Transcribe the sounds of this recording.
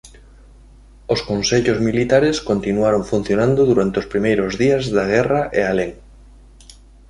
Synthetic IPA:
oskonseʎʊzmilit̪aɾeskont̪inuaɾoŋfun̟θjonãnd̪ʊðuɾant̪eospɾimejɾʊzðiɐzðaɣ̞ɛraʔealeŋ

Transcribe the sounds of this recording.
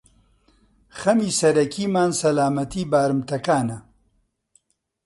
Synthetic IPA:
xɐmiːsɐɾɐkʰiːmaːnsɐlaːmɐt̪ʰiːbaːɾɨmt̪ɐkaːnɐ

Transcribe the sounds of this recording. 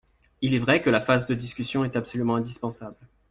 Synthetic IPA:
ilɛvʁɛkəlafazd̪əd̪iskʲysjɔ̃ɛt̪apsɔlymɑ̃ɛ̃d̪ispɑ̃sabl

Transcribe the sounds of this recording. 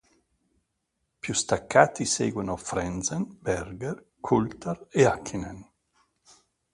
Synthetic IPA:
pjust̪akːaːt̪iseːɡwenofɾɛnsenbɛrɡɛr | kʰult̪areakʰːinen

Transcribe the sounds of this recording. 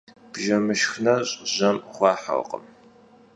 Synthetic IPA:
b̥ʒɐmɨʃxnɐɕʼʑɐmχʷɑːħa̰w̰qʼə̰m

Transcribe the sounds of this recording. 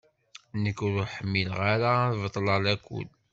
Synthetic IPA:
nəkːɾʊħəmːilʁaɾavət̪ˤːləlækʷːṵl

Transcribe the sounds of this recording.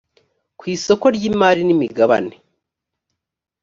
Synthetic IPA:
kwiːso̞ko̞ɾɟiːmaːɾinimiɡaβa̰ne

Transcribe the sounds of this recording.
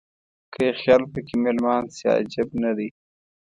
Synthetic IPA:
kəexjɑːlpəkimelmɑːnsɑ̰d͡ʒabnad̪i

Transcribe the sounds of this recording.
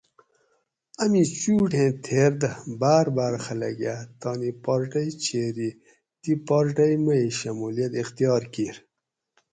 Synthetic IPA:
ɐmĩt͡ɕuːʈẽːt̪ʰeːɾd̪əbaːɾbaːɾxɐlɐ̰ɡjat̪ɑːnipɔɾʈɐjt͡ɕʰeːɾi | d̪ipɔɾʈɐjmɐiɕɐmuːlijɐt̪ixt̪ijɑːɾkiːɾ

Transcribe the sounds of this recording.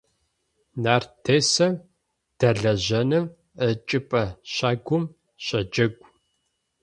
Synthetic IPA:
naːrtʰeːsɐm | d̥ɐɮɐʑɐnɨm | ət͡ʃʼɪpʼɐɕaːɡʷʊm | ɕʼɐd͡ʒɐɡʷʼ

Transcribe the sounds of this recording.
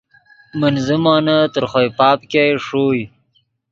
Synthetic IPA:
mənzəmɑːnat̪əɾχojpɑːpkejʂoj

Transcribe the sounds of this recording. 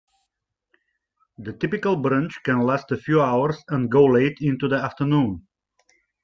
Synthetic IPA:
ðətɪpɪkəlˠbɹɾãnt͡ʃkɨ̃nlæstəfjuaʊə˞zə̃nɡoʊleɪtɪ̃ntuðiæftə˞nũn

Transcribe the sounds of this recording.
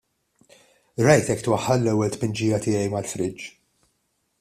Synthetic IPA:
ɾɐjt̪ɛkːt̪wɐħːɐlːɛwːɛlt̪pɪnd͡ʒiːjɐt̪ɪːjɛjmɐlfɾɪd͡ʒ

